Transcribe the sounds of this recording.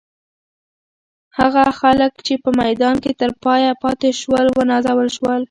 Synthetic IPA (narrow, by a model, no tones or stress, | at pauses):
haɣaxaləkt͡ʃepəmajd̪ɑnket̪əɾpɑjapɑt̪eʃwəlwənɑzawəlʃwəl